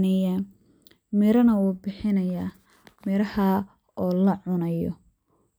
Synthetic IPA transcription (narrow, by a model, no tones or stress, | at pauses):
nɛja | mɪɾɐnɐuːbɪħɪnɐjaː | mɪɾɐhɐ | ʔɔːlɐʕʊnɐjɔ̰